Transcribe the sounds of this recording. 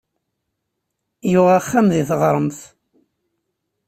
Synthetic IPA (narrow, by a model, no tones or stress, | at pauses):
jʊʁaχːamðiθʁɾˤəmθ